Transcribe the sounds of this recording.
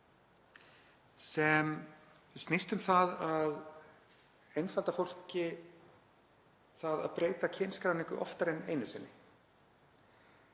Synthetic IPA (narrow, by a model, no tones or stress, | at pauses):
sɛm | ɪst̪nist̪ʏmθaðað | ejnfalt̪afowl̥cɪ | θaða̰ðpɾeːjt̪acʰenskɾawniŋkʏʔɔ̰ft̪aɾɛnejnɪsɛnːɪ